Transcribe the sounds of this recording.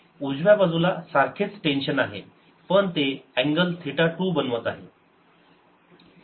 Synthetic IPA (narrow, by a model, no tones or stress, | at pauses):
ud͡zʋjabad͡zulasaɾkʰet͡sʈenɕənaɦḛ | pəɳt̪eæ̃ŋɡəlt̪ʰiʈaʈuːbənʋət̪aɦe